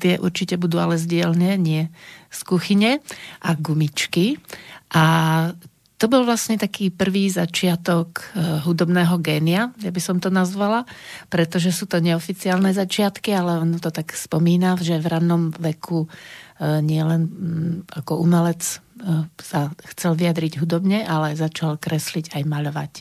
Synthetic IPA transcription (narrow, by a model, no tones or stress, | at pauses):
t̪ɪɛʔṵɾt͡ʃicɛbud̪uːalɛzɟɪɛlnɛːɲɪɛskuxiɲɛʔaɡumit͡ʃkiʔa | t̪ɔbɔlʋlasɲɛt̪akiːpr̩ʋiːzat͡ʃɪat̪ɔkɦud̪ɔbnɛːɦɔɡɛːniajabisɔmt̪ɔnazʋalapɾɛt̪ɔʒɛsuːt̪ɔɲɛɔfit͡siaːlnɛzat͡ʃɪat̪kialɛɔnɔt̪ɔt̪akspɔmiːnavʒɛʋɾanːɔmʋɛkʰu | ɲɪɛlɛnakɔumɛlɛt͡s | saxt͡sɛlʋijad̪ɾiɟɦud̪ɔbɲɛʔalɛzat͡ʃalkɾɛsliɟajmaʎɔʋa̰c